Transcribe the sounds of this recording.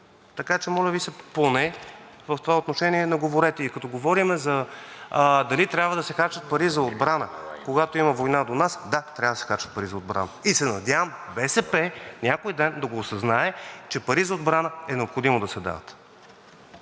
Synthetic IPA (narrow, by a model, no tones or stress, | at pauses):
t̪ɐkat͡ʃɛmɔlʲəvisɛponɛvɐft̪ovaot̪noʃɛniɛnɐɡovoɾɛt̪ɛikɐt̪ɔɡovɔɾimɛzɐ | d̪ɐlit̪ɾʲjabvəd̪ɐsɛxaɾt͡ʃɐt̪̚pɐɾizɐod̪bɾanəkoɡat̪oimɐvojnad̪onasd̪at̪ɾʲavɐd̪əsɛ̥xat͡ʃət̪̚pɐɾizɐod̪bɾa̰nəisɛnɐd̪ʲavəmbɛsɛpɛnʲakojd̪ɛnd̪ɐɡoːsɐznaɛt͡ʃɛpɐɾizəod̪bɾanəɛnɛopxod̪imod̪ɐsɛd̪a̰vɐt̪